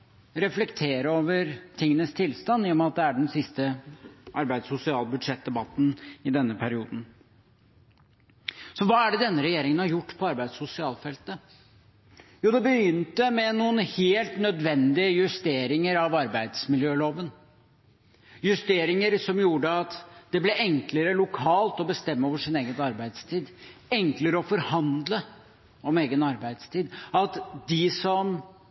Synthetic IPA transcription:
ɾɛflɛkt̪ʰeːɾəoːʋəɾt̪ʰɪŋːənəst̪ʰɪlst̪ɑnːjːmɑt̪̚d̪ɛæɖɛnsɪst̪əʔɑɾbæɪd̪sʊsɪɑːlbʉd̪ʂɛt̪̚d̪ɛbɑt̪ːn̩ɪd̪ɛnːəpʰæɾɪuːd̪n̩ | sɔʋɑːæɖɛd̪ɛnːəɾɛjeːɾɪŋənhɑɾjʊʈːpʰɔɑɾbæɪd̪sʊsɪɑːlfɛlt̪ə | juːd̪ɛbəjʏnt̪əmɛnuːənheːlt̪nœd̪ʋɛnd̪ɪəjʉst̪eːɾɪŋəɾɑʋɑɾbæɪd̪smɪljøːloːʋən | jʉst̪eːɾɪŋəɾsɔmjuːɖəɑt̪d̪̥ɛblɛʔɛŋkləɾəlʊkʰɑːlt̪ɔbəst̪ɛmːəoːʋəʂɪneːɡənɑɾbæɪd̪st̪ʰiːd̪ɛŋkləɾəɔfɔɾhɑnd̪lə | ɔmeːɡənɑɾbæɪd̪st̪ʰiːd̪ɑt̪d̪ɪsɔm

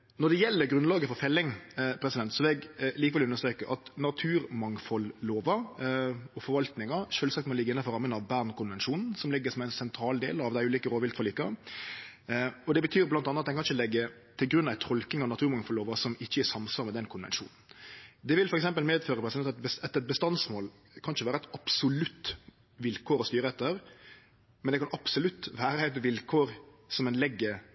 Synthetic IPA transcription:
nɔd̪ɛjɛlːəɾɡɾʉnlɑːɡəfɔɾfɛlːɪŋpʰɾɛsɪd̪ɛnt̪sɔlɛɡliːkəʋɛlʉnːəst̪ɾeːkəʔɑt̪nɑt̪ʰʉːɾmɑŋfɔlːoːʋɑ | ɔfɔɾʋɑlt̪nɪŋɑɾʂøːlsɑkt̪mɔlɪɡəɪnːɑfɔɾɑmːənɑʋbæːʁnkʰʊnʋɛnʃuːnn̩sɔmlɪɡːəsɔmæɪnsɛnt̪ʰɾɑːld̪ḛːlɑʋd̪æɪʉːliːkəɾoːʋɪlt̪fɔliːkːɑ | ɔd̪ɛbət̪ʰyːɾblɑnɑnəɑt̪̚ɛnkɑnɪçəlɛɡːət̪ʰɪlɡɾʉnːɑʋɛɪt̪ʰɔlkɪŋɑnɑt̪ʰʉːɾmɑŋfɔloːʋɑsɔmɪçːəæsɑmsɑɾmɛd̪ɛnkʰʊnʋɛ̰nʂṵːnn̩d̪ɛʋɪlfɔɾɛks̬ɛmpəlmeːd̪føːɾəpʰɾɛsd̪ɛɑt̪bəsɛt̪ɛt̪̚bəst̪ɑnsmoːl | kʰɑnɪçəʋæːɾəɛt̪ɑpsʊlʉt̪ː | ʋɪlkʰoːɾɔst̪yːɾəɛt̪ːəɾ | mɛnd̪ɛkʰɑnɑpsʊlʉt̪ːʋæːɾəɛt̪ʋɪlkʰoːɾsɔmɛnlɛɡːə

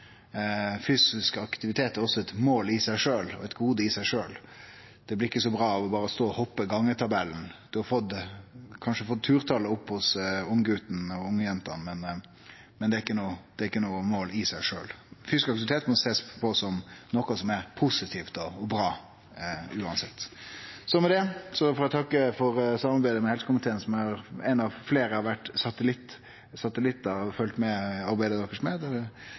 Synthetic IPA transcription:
fyːsɪskɑkt̪ɪʋɪt̪ʰeːt̪æɾɔsːɔɛt̪moːlɪsæɪʂøːlɔ̰ɛt̪ɡuːd̪əɪsæɪʂøːl | d̪̥ɛblɪɾɪkːəsɔbɾɑːɑʋɔbɑːɾəst̪oːɔhɔpːəɡɑŋːət̪ʰɑbɛln̩d̪̥ʉhɑfɔt̪kʰɑnʂəfɔt̪ʰːʉːɾt̪ʰɑləʊpːhʊsʊŋəɡʉːt̪n̩ɔʊŋːəjɛnt̪ɑnmɛn | mɛnd̪ɛɾɪkːənuːd̪̥ɛɾɪkːənuːmoːlɪsæɪʂøːlfyːsɪ̥kɑkt̪ɪʋɪt̪ʰeːt̪mɔseːspʰɔsɔmnɔkɑsɔmɛɾpʰʊsɪt̪ʰiːft̪ɔɔbɾɑː | ʉːɑnsɛt̪ːsɔmɛd̪ɛsɔfɔɾɛt̪ʰɑkːəfɔɾsɑmɑɾbæɪd̪əmɛhɛlsəkʊmpət̪ʰeːənsɔmɑɑɾɛ̰ɪnɑʋfleːɾəɑʋæʈːsɑt̪əlɪt̪ː | sɑt̪əlɪt̪ːɑfœlt̪mɛɑɾbæɪd̪əd̪ɔkːəʂmɛd̪ɛ

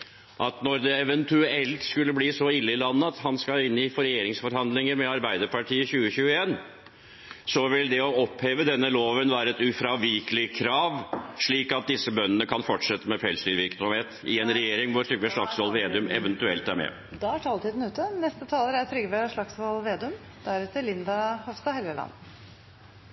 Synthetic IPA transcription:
ʔɑt̪nɔɾd̪ɛɛʋɛnt̪ʉɛlt̪skʉlːəbliːsɔɪlːəɪlɑnːəɑt̪hɑnskɑlɪnːɪfɔɾɛjeːɾɪŋsfɔɾhɑnd̪lɪŋəɾmɛɑɾbæɪd̪əɾpʰɑʈʰiːəçʉːəçʉːəeːn | sɔʋɪld̪ɛɔɔpheːʋəd̪ɛnːəloːʋənʋæːɾəɛt̪ʉfɾɑʋɪːkəlɪkʰɾɑːʋʂɭiːkɑt̪̚d̪ɪsːəbœnːənəkʰɑnfɔʈʂɛt̪ːəmɛpʰɛlsʏʋɪɾksɔmheːt̪ɪɛnɾɛjeːɾɪŋʋʊɾt̪ʰɾʏɡʋɛʂɭɑksʋɑlʋeːd̪ʉmɛ̰ʋɛnt̪ʉɛlt̪æɾmɛ̰ | d̪ɑæʈʰɑːlt̪iːd̪n̩ʉːt̪ənɛst̪ət̪ʰɑːləɾæt̪ʰɾʏɡʋeʂɭɑksʋɑlʋeːd̪ʉm | d̪̥æɾɛt̪əlɪnd̪ɑhɔfst̪ɑhɛləlɑ̰nː

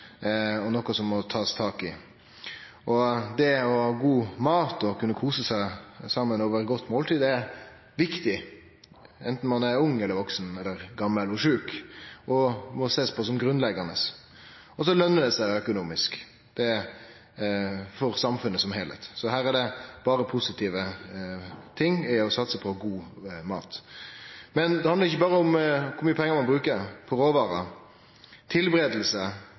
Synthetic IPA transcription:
ɔnɔkɔsɔmːɔt̪ʰɑːst̪ʰɑːkɪ | ʔɔd̪ɛɔɑɡuːmɑːt̪ɔkʰʉnːəkʰuːsəsæɪsɑmːənoːʋəɾɡɔt̪ːmoːlt̪iːd̪ɛ | ʋɪkt̪ɪ | ɛnt̪n̩mɑnɛɾʊŋːɛlːəɾʋɔksnɛlːəɾɡɑmːəlɔʂʉːkɔmɔseːspʰɔs̬ɔmɡɾʉnlɛɡɑnəs | ɔs̬ɔlœnːəd̪ɛsæɪœkʊnuːmɪsk | d̪̥ɛ | fɔɾsɑmfʉnːəsɔmhɛlɛ̰t̪sɔɦæːɾæɖɛb̥ɑːɾəpʰʊsɪt̪ʰiːʋə | t̪ʰɪŋːɪɔsɑt̪səpʰɔɡuːmɑ̰ːt̪ | mɛnd̪ɛɑnd̪əɾɪçːəbɑːɾəʊmkʰʊɾmyːəpʰɛŋːəɾmɑnbɾʉːkəɾpʰɔɾoːʋɑːɾɑ | t̪ʰɪlbɾeːd̪əl̩sə

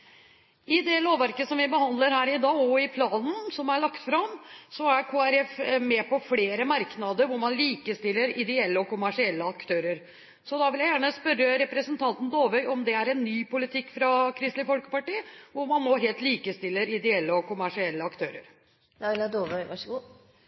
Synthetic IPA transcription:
ɪd̪ɛloːʋæɾkəsɔmʋɪbəhɑnd̪ləɾhæːɾɪd̪ɑːɔɪpʰlɑːnn̩sɔmæɭɑkt̪fɾɑmsɔækʰoːæɾɛfmɛpɔfleːɾəmɑɾknɑd̪əɾʋʊɾmɑnliːkəst̪ɪlːəɾɪd̪ɛɛlːəɔkʊmæʂɪɛlːəɑkt̪ʰøːɾəɾ | sɔd̪ɑːʋɪljæɪjæːɳəspœɾəɾɛpɾəsənt̪ʰɑnt̪n̩d̪oːʋœʏʔɔmd̪ɛæɾɛnːyːpʊlɪt̪ʰɪkːfɾɑkʰɾɪst̪lɪfɔlkə̥pɑʈiːʋʊɾmɑnmɔɦeːlt̪liːkəst̪ɪlːəɾɪd̪ɛɛlːəɔkʊmæʂɪɛlːəɑkt̪ʰøːɾə̰ɾ | d̪ɑɪlɑd̪oːʋœʏʋɑʂəɡuː

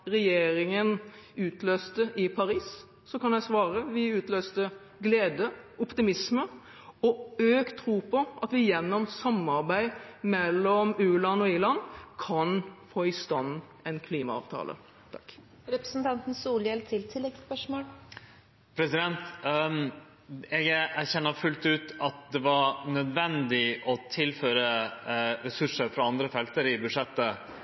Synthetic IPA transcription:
ɾɛjeːɾɪŋənʉːt̪løːst̪əʔɪpʰɑɾiːs | sɔkʰɑnjæɪsʋɑːɾəʋɪʉːt̪løːst̪ə | ɡleːd̪əɔpt̪ɪmɪsmə | ɔøːkt̪ʰːɾuːpʰɔʔɑt̪ʋɪjɛnːɔmsɑmɑɾbæɪmɛlːɔmʉːlɑnɔɪlɑnkʰɑnfoːɪst̪ɑnː | ɛnkʰliːmɑɑ̰ːʋt̪ʰɑ̰ːlʔə̰ | t̪ʰɑkː | ɾɛpɾəsn̩t̪ʰɑnt̪n̩suːljɛlt̪ʰɪlt̪ʰɪlːɛɡspœʂmoːl | pʰɾɛsɪd̪ɛnt̪ | ɛɡæɾçɛnːəfʉlt̪ʉːt̪ɑt̪̚d̪ɛʋɑɾnœd̪ʋɛnd̪ɪʔɔt̪ʰɪlføːɾə | ɾɛsʉʂəɾfɾɑɑnd̪ɾəfɛlt̪əɾɪbʉʂɛt̪ːə

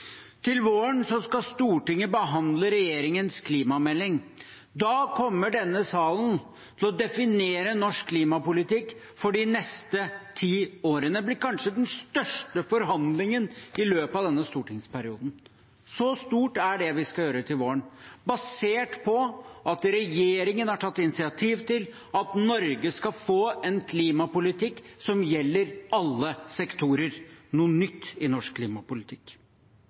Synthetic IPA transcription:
t̪ʰɪlʋoːəɳsɔskɑst̪uːʈɪŋːəbəɦɑnd̪ləɾɛjeːɾɪŋənskʰliːmɑmɛlːɪŋ | d̪ɑːkʰɔmːəɖɛnːəsɑːlən | t̪ʰɪlɔd̪ɛfɪneːɾənɔʂkkʰːliːmɑpʊlɪt̪ɪkː | fɔɖɪnɛst̪ət̪ʰiːoːɾənəblɪkɑnʂəd̪ɛnst̪œʂʈəfɔɾɦɑnd̪lɪŋənɪløːpɑʋd̪ɛnːəst̪uːʈɪŋspæɾɪṵːd̪n̩ | sɔst̪uːʈæɖɛʋɪskɑljøːɾət̪ʰɪlʋoːəɳbɑseːʈpʰɔʔɑt̪ɾɛjeːɾɪŋənhɑʈʰɑt̪ːɪnɪsɪɑt̪ʰiːʋt̪ɪl | ɑt̪nɔɾɡəskɑfoːɛnkʰliːmɑpʊlɪt̪ɪkːsɔmjɛlːəɾɑlːəsɛkt̪ʰuːɾəɾnuːnʏt̪ːɪnɔʂkkʰːliːmɑpʊlɪt̪ʰɪk

